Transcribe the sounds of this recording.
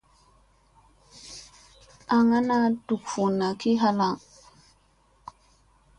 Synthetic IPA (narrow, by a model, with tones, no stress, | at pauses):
a˨ŋa˦na˦du˨kfu˨na˨ki˦ɦa˦la˦˨ŋ